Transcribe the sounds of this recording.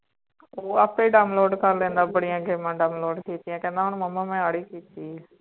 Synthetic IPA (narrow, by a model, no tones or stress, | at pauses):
oːapeːɖaːʊnloːɖkəɾlẽːnd̪aːbəɽijãːɡeːmãːɖaːʊnloːɖkiːt̪ɪjãkɛ̃ːnd̪aɦʊɳməmːãːmẽaːɽiːkiːt̪iː